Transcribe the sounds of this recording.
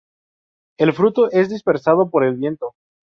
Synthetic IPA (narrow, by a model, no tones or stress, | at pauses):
e̞lfɾut̪o̞ʔe̞zðispe̞ɾsaðo̞po̞ɾe̞lβje̞nt̪o